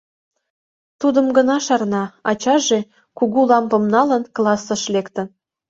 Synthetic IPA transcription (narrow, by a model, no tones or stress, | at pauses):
t̪ud̪ə̆mɡə̆nɑʃɑrnɑɑt͡ɕɑʒe | kuɣulɑmpə̆mnɑlə̆nklɑsːə̆ʃlekt̪ə̆n